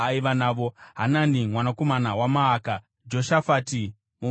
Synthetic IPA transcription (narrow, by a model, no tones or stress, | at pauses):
aiʋanaːʋo̞ɦananimwanako̞manawamaːka | d͡ʒo̞ʃafaːti | mu